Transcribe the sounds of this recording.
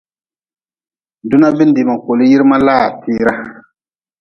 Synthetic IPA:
dʊ˦na˦bɪ˦n˦dɪ˨ma˨ko˨lɨ˦ji˦ɾɨ˦ma˦laː˦˨tiː˦ɾa˦

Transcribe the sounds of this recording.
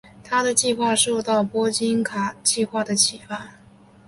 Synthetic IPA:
t̪ʰa˥d̪ə˨t͡ɕi˥˧xwa˥˧ʂo˥˧ʊt̪ɑ˥˩ʊpwɔ˥t͡ɕi˥nkʰa˨˩t͡ɕi˥˧xwa˥˩d̪ə˩t͡ɕʰi˨˩fa˥˩n

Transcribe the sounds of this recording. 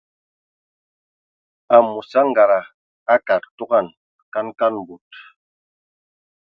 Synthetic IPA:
a˨mu˨sa˦ŋ̩˦ɡa˨ɾa˨ | a˦ka˨ttu˦ɡa˦˨n | ka˦nka˦n˨bu˨t

